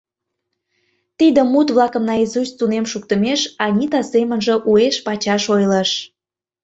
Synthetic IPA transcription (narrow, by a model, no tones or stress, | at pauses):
t̪id̪ə̆mut̪βlɑkə̆mnɑizust̪unemʃukt̪əmeʃɑnʲit̪ɑsemənʒə̆ʔueʃpɑt͡ɕɑʃojləʃ